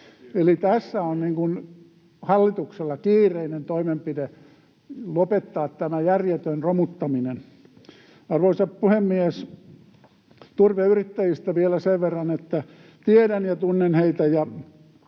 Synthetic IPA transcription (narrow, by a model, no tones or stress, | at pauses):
elit̪æsːæonniːŋkun | hɑlːit̪ukselːɑkiːrˑeinent̪oimempide | lopet̪ːɑːt̪t̪æmæjærjet̪ønromut̪ːɑminen | ɑrʋoisɑppuhemːies | t̪urʋeyrit̪ːæjist̪æʋielæseʋʋerːɑnet̪ːæ | t̪ieɾænjɑt̪unːenheit̪æjɑ